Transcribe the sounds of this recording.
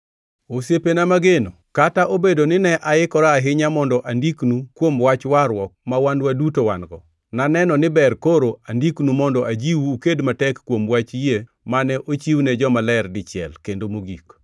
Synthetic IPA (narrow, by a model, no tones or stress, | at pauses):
osepenamaɡeno | kataʔobedonɪnɛʔaɪkɔɾaːɦɪɲamɔndɔʔandiknukwomwat͡ʃwaɾwɔk̚mawandwadutowanɡɔ | nanɛnɔnɪbɛrkoɾoandiknumɔndɔʔad͡ʒiwuːkedmatɛkːwomwat͡ʃje | manɛʔot͡ʃiwnɛd͡ʒɔmalɛrdɪt͡ʃɪɛ̰lkendomoɡik